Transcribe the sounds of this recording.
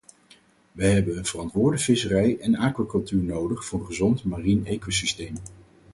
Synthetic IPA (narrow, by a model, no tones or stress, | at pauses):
ʋəjɦɛbənənvərɑntʋʊːɹdəfɪsərɛjɛnaːkʋakɵlˠtyːɹnowdəχfʊːχəzɔntmaːrinejkowsistejm